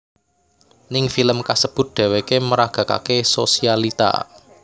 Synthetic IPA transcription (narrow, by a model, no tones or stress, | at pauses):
nɪŋfiləmkasəb̥ʊ̤t̪̚ɖ̪̥ɛ̤wekeməɾaɡ̥ä̤ka̰kesosialit̪a̰